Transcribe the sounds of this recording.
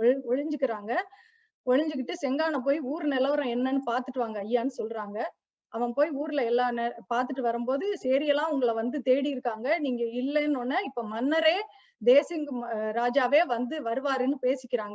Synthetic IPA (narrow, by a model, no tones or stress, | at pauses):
ɔɔɻɪɲd͡ʒɯkːɪɾaːŋɡɐ | ɔɻɪɲd͡ʒɯk̬ːɪʈːɯsɛŋɡaːnɐp̬oːjiuːɾɯnɪlɐʋɐɾɔ̃ɛnːɐnːɯpaːɾt̪ɯʈːɯʋaːŋɡɐɐjːaːnːɯsɔlːɾaːŋɡɐ | ɐʋɐ̃poːjuːɾɪlɐɛlːaːnɛpaːɾt̪ɯʈːɯʋɐɾɯmpoːðɯsɛːɾɪjɐlãːʊŋɡɐɭɐʋɐnd̪ɯt̪eːɽɪjɪɾɯkːaːŋɡɐniːŋɡɐɪlːɛnːɔnːɐɪpːomɐnːɐɾeː | d̪eːsɪŋɡɾaːd͡ʒaːʋeːʋɐnd̪ɯʋɐɾɯʋaːɾɯnːɯpeːsɪkʲːɪɾaːŋɡɐ